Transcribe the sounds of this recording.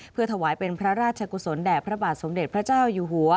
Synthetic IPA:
pʰɯ˥˩ɐt̪ʰa˧waː˩˦jpe˧npʰɾa˦˥ɾaː˥t̪̚t͡ɕʰa˧ku˨˩so˩˦ndɛː˨˩pʰɾa˦˥baː˨˩t̪̚so˩˦mde˨˩t̪̚pʰɾa˦˥t͡ɕaː˥˩wjuː˨˩ɦu˩˦ɐ

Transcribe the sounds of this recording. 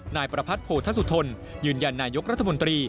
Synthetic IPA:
naː˧jpɾa˧pʰa˦˥t̪̚pʰoː˨˩t̪ʰa˥su˧˩t̪ʰo˧n | jɯː˧nja˧nːaː˧jo˦˥k̚ɾa˦˥t̪ʰːa˧mo˧nt̪ɾiː˧

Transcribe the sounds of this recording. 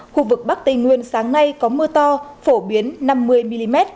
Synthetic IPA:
xu˧vɨ˨˩k̚ɓa˦˥k̚t̪ï˨˩ŋ̟ŋwi˨ənsaː˨˦ŋna˧jkɔ˨˦mɨ˧ət̪ɔ˧fo˧˩ɓi˨˦ənːa˧mːɨ˧əjmi˧li˧mɛ˦˥t̚

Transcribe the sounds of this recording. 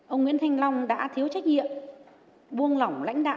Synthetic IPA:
ʔə˧wŋḭ˧˥ənt̪ʰa˧jŋ̟la˧wŋ͡mɗa̰ː˧˥t̪ʰi˨˦əwt͡ɕa˦˥k̟̚ɲḭ˧˨əm | ɓu˧ənla˨˩wŋ͡mla̰˧˥jŋ̟ɗa̰ː˧˨

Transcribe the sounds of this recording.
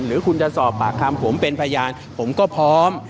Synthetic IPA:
nɾɯː˩˦kʰu˧nt͡ɕa˨˧˨sɔː˨˩pːaː˨˩k̚ʰa˧mpʰo˩˦mpe˧npʰa˧jaː˧n | pʰo˩˦mkɔː˥˩pʰɔː˦˥m

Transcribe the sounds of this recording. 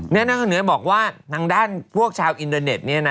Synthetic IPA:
ni˥˩ɐna˧˥kʰːnɯ˩˦ɐ˦bɔː˨˩k̚waː˥˩t̪ʰaː˧ŋdaː˥˩npʰu˥˩ək̚t͡ɕʰaː˧wʔi˧nt̪əː˧ne˨˩t̪̚ni˥˩ɐna˦˥

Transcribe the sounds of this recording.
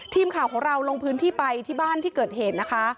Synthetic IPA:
t̪ʰiː˧mkʰaː˨˩wkʰɔː˩˦ŋɾa˧wlo˧ŋpʰɯː˦˥nt̪ʰiː˥˩pa˧jt̪ʰiː˥˩baː˥˩nt̪ʰiː˥˩kɤː˨˩t̪̚heː˨˩t̪̚na˦˥kʰa˦˥

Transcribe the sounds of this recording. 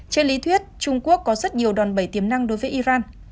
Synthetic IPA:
t͡ɕe˧nli˨˦t̪ʰwi˦˥ət̚t͡ɕʊ˧ŋ͡mku˦˥əkːɔ˨˦zə˦˥t̚ɲi˨˩əwɗɔ˨˩nɓə˧˩jt̪i˨˦əmna˧ŋɗo˨˦jvəː˨˦jʔi˧zaː˧n

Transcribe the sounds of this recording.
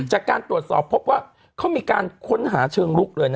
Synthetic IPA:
t͡ɕaː˨˩kːaː˧nt̪ɾu˨˩ət̪̚sɔː˨˩pʰːo˦˥p̚waː˥˩ | kʰa˦˥˩wmiː˧kaː˧nkʰo˦˥nɦaː˩˦t͡ɕʰɤː˧ŋlu˦˥˩k̚lɤː˧jna˦˥

